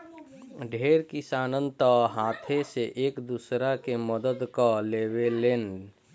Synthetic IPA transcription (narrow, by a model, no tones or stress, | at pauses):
ɖʱeːɾkɪsaːnə̃nt̪əɦaːt̪ʰeseʔeːkd̪usɾakeməd̪əd̪kaleːweleːn